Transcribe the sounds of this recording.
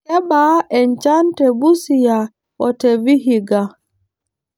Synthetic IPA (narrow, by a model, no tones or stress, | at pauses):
ɛɓaʔɛnt͡ʃantɛbusija | ʔɔteviɦiɡa